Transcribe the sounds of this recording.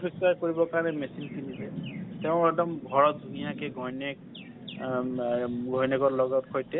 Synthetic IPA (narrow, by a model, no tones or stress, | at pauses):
piksaɹkoɹibɔkaɹnɛmesinkinisɛteʊ̃ɛdɔmɡʱɔɹɔt̚dʱunijakeɡʱɔjnek | ɡʱɔjneɡɔɹlɔɡɔtkʰojtɛ